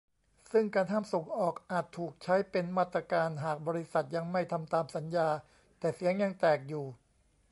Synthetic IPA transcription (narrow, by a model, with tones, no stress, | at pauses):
sɯ˥˩ŋkaː˧nt̪ʰaː˥˩mso˨˩˦ŋʔɔː˨˩k̚ʔaː˨˩t̪ʰːuː˨˩k̚t͡ɕʰa˦˥jpe˧nmaː˥˩t̪ːɾa˧kaː˧nɦaː˨˩k̚bɔː˧ɾi˦˥sa˨˩t̪̚ja˧ŋma˥˩jt̪ʰa˧mt̪aː˧msa˩˦njaː˧ | t̪ɛː˨˩si˨˩˦əŋja˧ŋt̪ɛː˨˩k̚juː˨˩